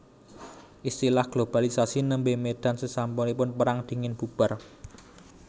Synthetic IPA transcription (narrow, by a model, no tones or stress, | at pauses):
ʔist̪ilahɡ̥lob̥alisasinəmbemed̪̥a̤nsəsampɔnipʊnpəɾaŋd̪̥i̤ŋɪnb̥ṳb̥a̤r